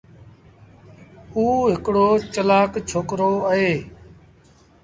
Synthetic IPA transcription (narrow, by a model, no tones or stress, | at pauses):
uːɦɪkɽoːt͡ʃəlaːkt͡ʃʰoːkɾoːəɦeː